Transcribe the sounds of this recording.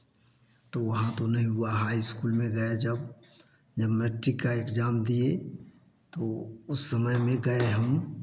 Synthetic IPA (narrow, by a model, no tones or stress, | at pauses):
t̪oʋɐɦãt̪onɐɦĩɦʊaɦaːiɪskuːlmẽɡɐed͡ʒɐb | d͡ʒɐbmɛʈɾikːaeːkd͡ʒaːmd̪ie | t̪oʊsːɐməjmẽɡɐeɦɐm